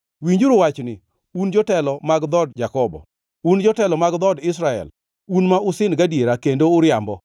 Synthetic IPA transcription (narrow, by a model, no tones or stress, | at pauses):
wiɲd͡ʒuɾʊwat͡ʃnɪ | und͡ʒɔtɛlɔmaɡd̪ɔdd͡ʒakɔbɔ̰ | und͡ʒɔtɛlɔmaɡd̪ɔdɪs̬ɾaɛ̰l | unmaʊsɪnɡadjeɾakendoːɾɪambɔ